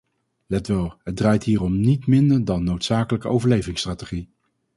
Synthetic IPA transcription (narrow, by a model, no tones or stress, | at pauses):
lɛtʋɛlˠɦəd̚draːjtɦiːrɔmnitmɪndəɹdɑnːowtsaːkələkəʔowvəɹlejvɪŋstraːteχi